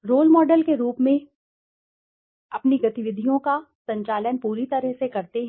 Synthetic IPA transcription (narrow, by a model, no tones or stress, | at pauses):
ɾoːlmɔːɖəlkeɾuːpmẽ | ɐpniɡɐt̪ɪʋɪd̪ʱijõka | sɐ̃ɲt͡ʃaːlənpuːɾit̪ɐɾəɦsekɐɾt̪eɦ